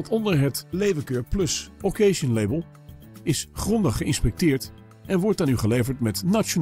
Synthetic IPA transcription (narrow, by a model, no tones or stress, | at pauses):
tɔndəɹɦətlejvəkøːɹplɵsokejʃənlejbəlˠ | ɪsχrɔndəχəɪ̰nspɛk̚tɪːɹt | ʔɛnʋɔɹtaːnyχəlejvəɹtmɛtnat͡ʃon